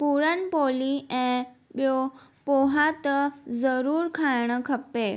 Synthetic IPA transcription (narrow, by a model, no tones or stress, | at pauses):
puɾənpoliẽɓjopoɦat̪zəɾuːɾkʰajɳəkʰəpːe